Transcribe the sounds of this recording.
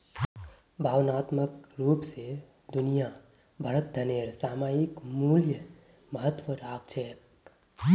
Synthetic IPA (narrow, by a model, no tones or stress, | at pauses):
bʱaːʋnaːt̪məkɾuːpse | d̪ʊnija | bʱəɾət̪̚d̪ʱəneːɾsaːmaːjikmuːljə | məɦət̪ʋəɾaːk̚t͡ʃʰəjək̚